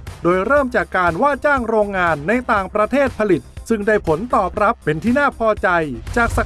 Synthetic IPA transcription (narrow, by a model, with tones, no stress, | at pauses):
doː˧jɾɤː˥˩mt͡ɕaː˨˩kːaː˧nwaː˥˩t͡ɕaː˥˩ŋɾoː˧ŋːaː˧nːa˧jt̪aː˨ŋpɾa˧t̪ʰeː˥˩t̪̚pʰa˧li˨˩t̪̚sɯ˥˩ŋdaː˥˩jpʰo˩˦nt̪ɔː˨˩p̚ɾa˦˥pːe˧nt̪ʰiː˥˩naː˥˩pʰɔː˧t͡ɕa˧jt͡ɕaː˨˩k̚sa˨˧˩